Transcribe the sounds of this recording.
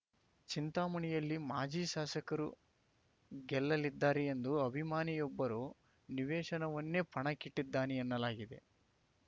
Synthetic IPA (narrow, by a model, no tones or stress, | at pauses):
t͡ʃint̪aːmɐɳijɐlːimaːd͡ʒiːʃaːsɐkɐɾṵ | ɡɛlːɐlid̪ːaːɾeend̪uɐbʱimaːnijɔbːɐɾu | niʋɛːʃɐnɐʋɐnːepɐɳɐkiʈːid̪ːaːniɐnːɐlaːɡid̪e̞̰